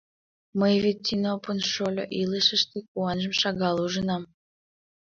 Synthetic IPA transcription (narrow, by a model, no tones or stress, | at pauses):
məjvet̚ʲːinopunʃolʲo̰ʔiləʃəʃt̪ek̚uɑnʒəmʃɑɣɑluʒənɑm